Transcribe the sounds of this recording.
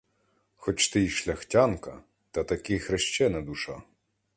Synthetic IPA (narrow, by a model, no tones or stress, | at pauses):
xɔt͡ʃt̪ɪjʃlʲɐxtʲankɐ̰ | t̪ɐt̪ɐkɪxɾeʃt͡ʃɛnɐd̪uʃɑ